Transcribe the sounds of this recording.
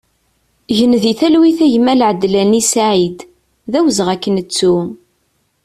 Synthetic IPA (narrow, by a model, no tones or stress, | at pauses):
ʝənðiθælwiθæʝəmælʕəd̪ːlænisaʕid̪ | ðæwəzʁækːənət͡sːu